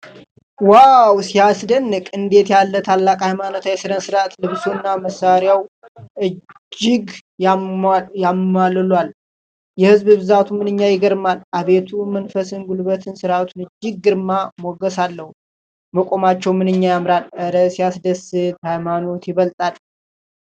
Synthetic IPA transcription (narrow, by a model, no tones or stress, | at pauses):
wawsijasd̪ənːɨkʼɨnd̪e̞t̪jalːət̪ʰalːakʼhajmanot̪jɛsɨɾənsɨɾat̪lɨβsunːaməsaɾjaw | ʔɨ | d͡ʒːɪɡ | jamallwal | jɛhɨzbɨβɨzat̪ʰumɨnɨɲːajɪɡəɾmalʔaβe̞t̪ʰumənfəsɨnɡulbət̪ʰɨnsɨɾat̪ʰunɨd͡ʒːɪɡ̚ːɨɾmamoɡəsalːəhu | məkʼo̞mat͡ʃːɛwmɨnɨɲːajamɾalʔəɾəsijasd̪əsɨt̪hajmano̞t̪jɪβəlt̪ʼal